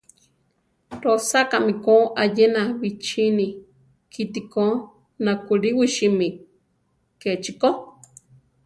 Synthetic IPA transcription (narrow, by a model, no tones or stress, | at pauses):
ɾosakamĩkoʔajenaβit͡ʃinĩ | kʰit̪iko | nakuɾiwiʃimĩ | ket͡ʃiko